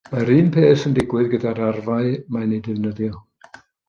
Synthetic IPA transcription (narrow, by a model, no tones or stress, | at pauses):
maɾɨːnpʰeːθəndɪɡwɨðɡədaɾarvaɨmanedɪvnəðjɔ